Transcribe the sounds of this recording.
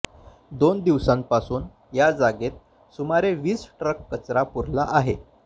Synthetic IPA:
d̪ond̪iʋsãmpasuːn | jad͡zaɡet̪̚ | sumaɾeʋiːsʈɾəkːət͡sɾapuɾlaʔaɦe

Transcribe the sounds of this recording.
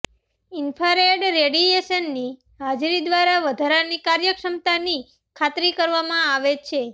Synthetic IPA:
ɪnfʰaɾeɖɾeɽieʃənːi | ɦad͡ʒɾid̪ʋaɾaʋəd̪ʱaɾanikaɾjəkʃəmt̪ani | kʰat̪ɾikəɾʋamãaʋet͡ʃʰe

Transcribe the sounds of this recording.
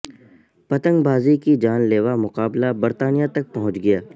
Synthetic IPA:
pɐt̪ə̃ŋɡbʱaːzikid͡ʒaːnleːʋamʊqaːblabɐɾt̪aːnijat̪ɐk̚pɐɦʊ̃t͡ʃɡɐjaː

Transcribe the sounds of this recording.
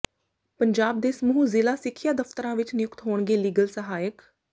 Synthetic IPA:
pəɲd͡ʒaːb̚d̪eːsəmuuːzɪlaːsɪkʰːɪjaːd̪əft̪əɾãːʋɪt͡ʃnɪjʊkt̪ɦoːɳɡeːliːɡəlsəɦaːjək

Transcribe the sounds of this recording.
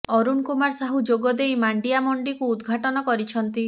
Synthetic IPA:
ɔɾunkumaɾsaɦud͡ʒoɡɔd̪ejmaɳɖijamɔɳɖikuːd̪ɡʱaʈɔnɔkɔɾit͡ʃʰɔnt̪i

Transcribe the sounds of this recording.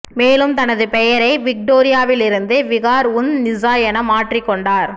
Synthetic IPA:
meːlɯmt̪ɐnɐðɯpɛjɐɾɐɪʋɪk̚ʈoːɾɪjaːʋɪlɪɾɯnd̪ɯʋɪɣaːɾʊnnɪzaːjɐnɐmaːʈrikːɔɳɖaːɾ

